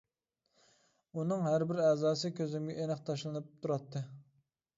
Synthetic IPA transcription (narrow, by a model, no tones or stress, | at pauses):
unɨŋɦæɾbɪɾɛzɑːsɨkʲʰøzɪmɡʲɛʔenɨqt̪ʰɑʃlˠɨnɨp̚t̪ʰuɾɑt̪ʰːɨ